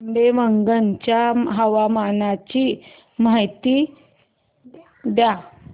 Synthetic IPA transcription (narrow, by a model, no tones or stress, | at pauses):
mbeʋəŋɡənt͡ɕjaɦəʋamanat͡ɕi | majt̪iː | d̪ja